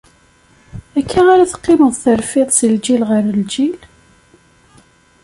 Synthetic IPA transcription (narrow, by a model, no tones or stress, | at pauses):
ækʰːaaɾaθə̥qːɪməðˤθəɾfɪðˤsəld͡ʒilʁəɾəld͡ʒil